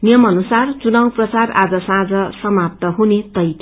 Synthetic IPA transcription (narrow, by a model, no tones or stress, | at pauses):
nijʌmʌnusart͡sunawprʌt͡sara̰d͡zʌsãd͡zʌsʌmap̚t̪ʌɦunet̪ʌjt̪